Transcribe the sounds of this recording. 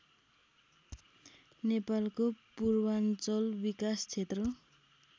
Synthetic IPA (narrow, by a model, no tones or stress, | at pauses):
nepalkopurwant͡sʌlbikast͡sʰet̪rʌ